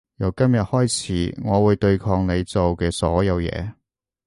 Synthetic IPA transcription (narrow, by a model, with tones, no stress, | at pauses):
jɐ˨˩wkɐ˥mjɐ˨t̚hɔː˥jt͡sʰiː˨˥ŋɔː˨˧wuː˨˧jt̪ɵ˧ɥkʰɔː˧ŋne˨˧jt͡so˨wkɛː˧sɔ̰ː˨˥jɐ˨˧wjɛ̰ː˨˧